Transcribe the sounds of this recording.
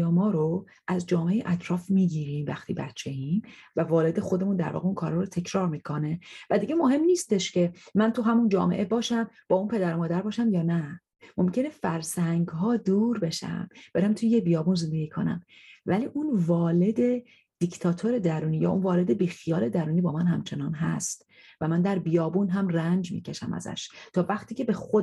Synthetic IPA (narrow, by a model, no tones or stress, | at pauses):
jɒːmɒːɾo | ʔæzd͡ʒɒːmeejeʔæt̪ʰɾɒːfmiːɟiːɾimvæxt̪ʰḭːbæ̰t̪t͡ʃʰe̞imvævɒːle̞d̪exo̞d̪e̞mund̪æ̰ɾvɒ̰ːɣeunkʰɒːɾɑɾot̪ʰe̞cʰɾɒːɾmiːkʰo̞ne̞væd̪iɟe̞moɦe̞mniːst̪eʃcʰe̞mænt̪ʰuɦæmund͡ʒɒ̰ːmeʔebɒːʃæmb̥ɒːunpʰe̞d̪æɾomɒːd̪æɾbɒːʃæmjɒːnæ | mo̞mcʰe̞nefæɾsæŋɡɦɒːd̪uːɾbe̞ʃæ̰mbeɾæmt̪ʰujebijɒːbunze̞nd̪eɡiːkʰo̞̰næ̰mvæliːʔunvɒːle̞d̪e̞ | d̪̥ict̪ʰɒːt̪ʰoɾe̞d̪æɾuːniːjɒ̰ːʔunvɒːle̞d̪ebiːxijɒːle̞d̪æɾuːnibɒːmænhæmt͡ʃʰe̞nɒːnɦæ̰st̪ | væmænd̪æɾbijɒːbunɦæmrænd͡ʒmḭcʰeʃæ̰mʔæ̰zæ̰ʃt̪ʰɒːvæχt̪ʰiːcʰe̞be̞xo